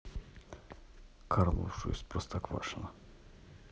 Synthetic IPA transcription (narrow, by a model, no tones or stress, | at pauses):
kʰaɾnṵfʂʊ̰j̰sʲpɾost̪akva̰ʂɨnə